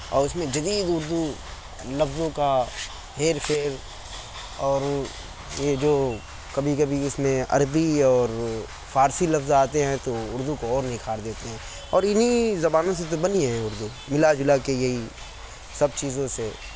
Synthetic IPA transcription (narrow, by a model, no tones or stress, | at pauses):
ɔ̰ːɾʊsmẽd͡ʒɐd̪iːd̪ʊɾd̪u | lɐfzõka | ɦeːɾpʰeːɾ | ɔːɾ | jed͡ʒoː | kɐbʱikɐbʱiʊsmẽɐ̰ɾbiɔːɾ | faːɾsilɐfzaːt̪eɦɛ̃t̪oʊɾd̪ukoɔːɾnɐɦĩkʰaːɾd̪eːt̪eɦɛ̃ː | ɔːɾɪnizɐbaːnõs̬et̪obɐniɦɛ̃ʊɾd̪u | mɪlad͡ʒʊlakejɐɦi | sɐb̚t͡ʃiːzõse